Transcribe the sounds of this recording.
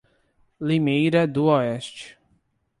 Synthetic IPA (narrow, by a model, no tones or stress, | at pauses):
limejɾɐd̪uɔɛst͡ʃ